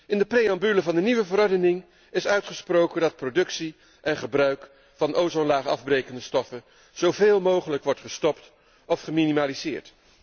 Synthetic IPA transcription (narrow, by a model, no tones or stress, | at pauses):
ɪndəprejɑmbyləvɑndəniʋəvəɾɔɹdənɪŋ | ɪsœɥtχəsprowkəndɑt̚prowdɵksi | ʔɛnχəbrœɥk | fɑnʔowzɔnlaːχɑ̰vbrejkəndəstɔfə | z̥owveːlˠmowχələkʋɔɹtχəstɔpt | ɔfχəminimaːlizɪ̰ːɹt